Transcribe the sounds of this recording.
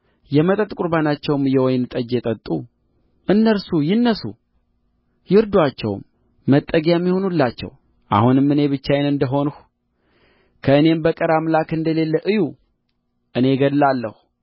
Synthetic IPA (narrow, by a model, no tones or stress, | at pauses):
jɛmət̪ʼət̪ʼkʼuɾbanat͡ʃːɛwmjɛwɔjnt̪ʼəd͡ʒet̪ʼət̪ʼu | ʔɨnːəɾsujɪnːəsṵ | jɪɾd̪wat͡ʃːɛ̰wmː | ət̪ʼːəɡjaɛmːiho̞nulːat͡ʃːɛ̰w | ʔa̰hunɨmːɨne̞βɨt͡ʃːajenɨnd̪əɦo̞nh | kʰəɨne̞mbəkʼəɾamlakɨnd̪əle̞lːəʔɨju | ʔɨne̞ɡəd̪lalːəhu